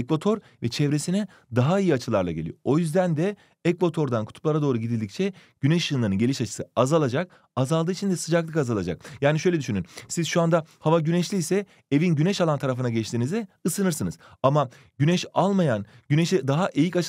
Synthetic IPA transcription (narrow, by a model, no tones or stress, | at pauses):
ɛkvat̪ʰo̞ɾ | vɛt͡ʃʰɛvɾesinɛ | d̪aɦaijiat͡ʃʰɯlˠaɾlˠa̰ɟelʲḭoʔojyzd̪ænd̪ɛ | ɛkvat̪ʰo̞ɾd̪ankʰu̥t̪ʰu̥plˠaɾad̪o̞ːɾuɟid̪ilʲd̪ic̚t͡ʃʰɛɟ̥ynɛʃjɯːnˠaɾɯnɟe̞lʲiʃat͡ʃʰɯ̥sɯazalˠad͡ʒak̚ | azalˠd̪ɯːit͡ʃʰind̪ɛsɯd͡ʒaklˠɯkazalˠad͡ʒa̰k̚jaːniʃø̞jlʲɛd̪yʃynynsizʃuand̪ahavaɟynɛʃlʲiːsɛ | evinɟynɛʃalˠant̪ʰaɾafɯnaɟɛt͡ʃt̪ʰinizɛɯsɯnɯɾsɯnɯz̥ama | ɟynɛʃalˠmajan | ɟynɛʃɛd̪aɦaʔejicat͡ʃʰ